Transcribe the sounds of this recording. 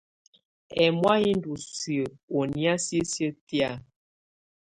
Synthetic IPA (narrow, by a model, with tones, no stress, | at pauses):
ɛ˨mwa˦hi˦n˦du˨si˨ə˨o˨ni˦a˦sə˦sjə˦ti˦a˦˨